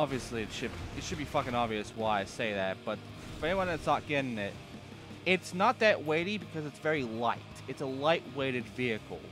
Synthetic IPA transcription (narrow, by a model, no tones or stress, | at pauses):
ɑbviɨsliɨtʃɨdɨtʃɨd̚bifʌkɨ̃ŋɑbviɨswaɪaɪseɪðæt̚b̥ʌt̚ | fə˞ɛ̃niwʌ̃nðɨtsɑt̚ɡ̥ɛɾɪ̃ŋɪt̚ | ɪtsnət̪̚ðɨʔ̚weɪɾibɨkʰʌzɨtsv̥ɛɹilaɪtɨtsəlaɪʔ̚weɪɾɨdviɨkl̩ˠ